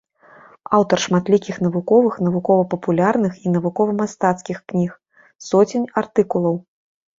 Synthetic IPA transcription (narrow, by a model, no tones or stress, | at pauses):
awt̪ɐrʂmat̪lʲikʲixn̪ɐvukɔvɨxn̪ɐvukɔvɐpɐpulʲarnɨxin̪ɐvukɔvɐmast̪at̪skʲixknʲix | sɔt͡sʲenʲart̪ɨkulˠɐw